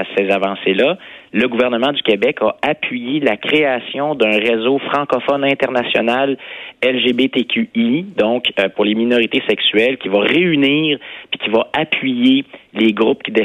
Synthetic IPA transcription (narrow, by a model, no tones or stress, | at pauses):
sezavɑ̃selaləɡuvɛʁnəmɑ̃d̪ykʲebɛkaapɥijelakʲχeasjɔ̃d̪ɛ̃ʁezofχɑ̃kɔfɔnɛ̃t̪ɛʁnasjɔ̰nalɛlʒebet̪ekʲʰyid̪ɔ̃kpʊʁleminɔʁit̪esɛksyɛlkʲivaʁeyniːʁpi̥kʲivaapɥijeleɡʁup̚kʲid̪e